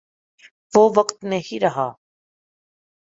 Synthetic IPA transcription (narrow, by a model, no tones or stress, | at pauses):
vɔvəqt̪nɛhiɾəɦa